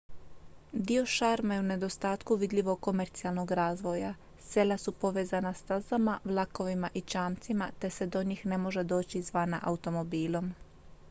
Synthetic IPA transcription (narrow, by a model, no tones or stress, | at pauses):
d̪io̞ʃaːɾmaje̞une̞d̪o̞st̪aːt̪kuʋid̪ʎʲiʋo̞ɡ̚ko̞me̞ɾt̪sialno̞ɡɾaːzʋo̞ja | se̞lasupo̞ʋe̞ːzanast̪azamaʋlˠako̞ʋimaʔit͡ʃaːmt̪simat̪e̞se̞d̪o̞ɲiːxne̞mo̞ʒe̞d̪o̞ːt͡ɕizʋanaʔaut̪o̞mo̞biːlˠo̞m